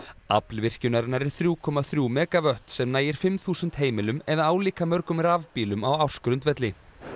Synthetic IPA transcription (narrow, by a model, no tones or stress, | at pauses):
a̰plvɪr̥cʏnaɾɪnaɾɛɾ̥θɾjuːkʰɔːmaθɾjuːmɛːkavœht̪sɛmnaːjɪɾ̥fɪmθuːsʏnt̪hɦeːjmɪlʏmɛðaaːwliːkamœɾkʏmɾaːvpiːlʏmawaw̥skɾʏnt̪vɛt̪lɪ